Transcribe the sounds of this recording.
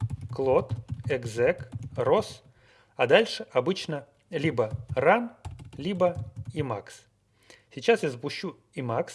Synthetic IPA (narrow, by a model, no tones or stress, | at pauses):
klˠot̪ɛɡzɛkros | ɐd̪alʲʂɨʔɐbɨt͡ɕnə | lʲibəranlʲibəimaks | sʲɪt͡ɕasɪzəpʊɕːu | imaks